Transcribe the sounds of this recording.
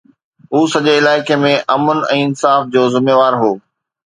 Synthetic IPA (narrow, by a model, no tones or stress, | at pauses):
ɦuːsɐʄeɪlaːɪkemẽʔɐmʊnɛ̃ːɪnsaːfd͡ʑoːzɪmeːʋaːɾɦoː